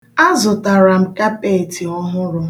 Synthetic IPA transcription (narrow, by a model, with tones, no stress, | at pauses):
a˦zʊ˨ta˨ɾa˨m̩˨ka˦pe˦˨ti˨ɔ˦ɦʊ˦ɾʊ˦